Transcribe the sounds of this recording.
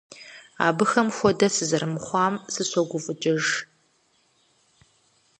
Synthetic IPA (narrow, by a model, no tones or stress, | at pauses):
a̰ːbɨxɐmxʷɔdɐsɨzɐɾɨmχʷɑːmsɨɕʷɔɡʷʊfʼɨt͡ʃʼɪʒ